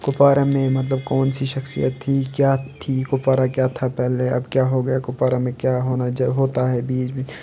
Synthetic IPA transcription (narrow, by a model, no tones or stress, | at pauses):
kʊpaːɾamẽmɐt̪ləb̚kɔːnsiʃɐxsḭjə̰t̪ʰːikjaːt̪ʰikʊpaːɾakjaːt̪ʰapɛɦleɐ̰bkjaːɦoɡɐjakʊpaːɾamẽkjaːɦoːnad͡ʒɦoːt̪aɦɛbiːd͡ʒmi